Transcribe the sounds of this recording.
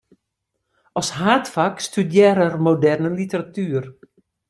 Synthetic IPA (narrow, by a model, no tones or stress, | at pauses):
ɔsɦaːtfakstydjɛːɾərmodɛrnənlitəɾatyːər